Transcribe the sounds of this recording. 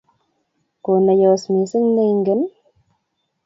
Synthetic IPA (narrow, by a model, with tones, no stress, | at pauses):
ko˨na˨jo˨wsmi˨si˦ŋne˦jŋɡə˦n